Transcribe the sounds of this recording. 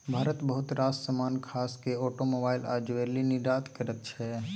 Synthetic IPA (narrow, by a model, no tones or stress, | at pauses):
bʱaːɾət̪bəɦʊt̪ɾaːssəmaːnkʰaːskeoːʈomoːbaːɪla̰ːd͡ʒʋeliniɾaːt̪kəɾət̪t͡ʃʰɛ